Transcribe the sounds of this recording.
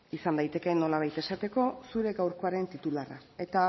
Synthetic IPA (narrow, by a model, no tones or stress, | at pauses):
isand̪ajt̪e̞ke̞no̞laβ̞ajt̪e̞sat̪e̞ko̞suɾe̞ɡawɾko̞aɾe̞nt̪it̪ulara̰e̞t̪a